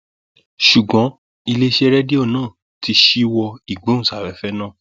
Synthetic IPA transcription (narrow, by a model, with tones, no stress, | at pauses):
ʃu˨ɡ͡bɔ̃˨˦ | i˧le˦ʃe˦˧ɾɛ˦di˦o˦˨nãː˦˨ | ti˧ʃi˦wɔ˧i˨ɡ͡bo˨˦ñ̩˦˨sa˨ɾɛ˨˦fɛ˦nã˦˨